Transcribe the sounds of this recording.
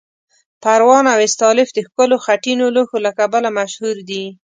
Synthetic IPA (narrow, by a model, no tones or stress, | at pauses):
paɾwɑnawɪst̪ɑlɪfd̪əxkəloxaʈinoloxolakabalamaʃhuɾd̪i